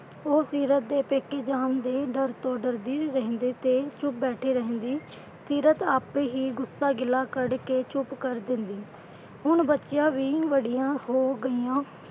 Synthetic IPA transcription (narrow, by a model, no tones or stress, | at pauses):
oːsiːɾət̪̚d̪eːpeːkːeːd͡ʒaːnd̪eːɖəɾt̪õːɖəɾd̪iːɾəɦə̃ːnd̪eːt̪eːt͡ʃʊp̚bɛːʈʰeːɾəɦə̃nd̪iː | siːɾət̪aːpeːɦiːɡʊsːaːɡɪlaːkəɽkeːt͡ʃʊpkəɾd̪ɪnd̪iː | ɦʊɳbətːʃjãːʋiːʋəɽijãːhoːɡəiːãː